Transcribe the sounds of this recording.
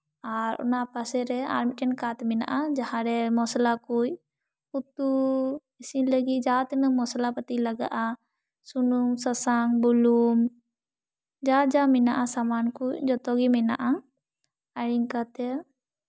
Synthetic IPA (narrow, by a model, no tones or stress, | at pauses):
aɾɔ̰napasɛɾɛa̰ɾmiʈɛnkat̪mɛna̰ʔad͡ʒahãɾɛmɔslakuj | ut̪u | isiləɡid͡ʒat̪nəmɔslapət̪iləɡaʔa | sunuŋsəsaŋbulum | d͡ʒat̪̚d͡ʒamɛnaʔasamankujd͡ʒɔt̪ɔɡimɛna̰ʔa | əɽiŋkat̪ɛ